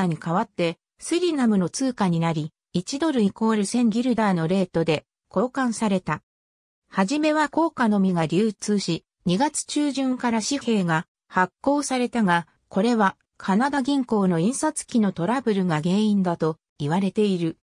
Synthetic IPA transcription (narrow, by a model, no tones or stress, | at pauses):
aɲ̟ikaβat̪ːe̞ | sɨɾʲinamɯ̟no̞t͡sɨːkaɲ̟inaɾʲi | it͡ɕid̪o̞ɾɯ̟iko̞ːɾɯ̟sẽ̞ŋɡʲiɾɯ̟d̪aːno̞ɾe̞ːt̪o̞d̪e̞ | ko̞ːkãɰ̃saɾe̞t̪a | haʑime̞βako̞ːkano̞mʲiɡaɾʲɨːt͡sɨːɕi | ɲ̟iɡat͡sɨ̥t͡ɕɨːʑɨ̃ŋkaɾaɕihe̞ːɡa | hakːo̞ːsaɾe̞t̪aɡa | ko̞ɾe̞βa | kʰanad̪aɡʲĩŋko̞ːno̞ĩɰ̃sat͡sɨ̥kʲino̞t̪o̞ɾabɯ̟ɾɯ̟ɡaɡe̞ːĩnd̪at̪o̞ | iβaɾe̞t̪e̞iɾɯ̟